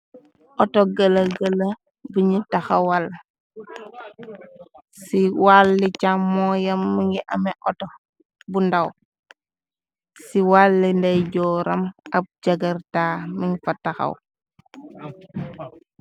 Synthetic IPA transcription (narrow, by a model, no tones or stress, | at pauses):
ʔɔtɔɡɐlɐɡɐlɐ | biɲitɐxɐwɐl | siwalːicamːɔjɐmːiŋɡiʔɐmɛʔɔtɔ | bundɐw | siwalːindɐjɟɔːɾɐmɐp̚d͡ʒɐɡɐɾtaːmiɲfɐtɐxɐ̰w